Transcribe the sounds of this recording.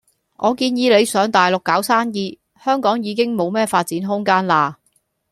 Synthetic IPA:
ʔɔː˨˧kiː˧njiː˨˧le˨˧jsœː˨˧ŋt̪aː˨jlʊ˨kːaː˨˥wsaː˥njiː˧ | hœː˥ŋkɔː˨˥ŋjiː˨˧kɪ˥ŋmo˨˧wmɛː˥faː˧t̚t͡siː˨˥nɦʊ˥ŋkaː˥nlaː˧

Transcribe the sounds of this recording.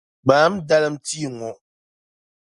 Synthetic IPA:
maː˨˦m̩˦da˦lɨ˦m̩˦ti˦˨ŋɔ˨ʔ

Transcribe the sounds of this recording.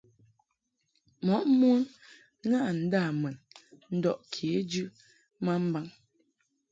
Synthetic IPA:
mɔ˨˦ʔmu˦n˦ | ŋa˦ʔn̩˨˦da˦˨mɛ˨nn̩˦dɔ˦˨ʔkʰe˨˦d͡ʒʉ˦ | ma˦m̩˦ba˦ŋ

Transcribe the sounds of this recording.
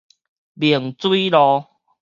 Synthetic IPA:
bi˨˩əŋt͡swi˦lɔ˧

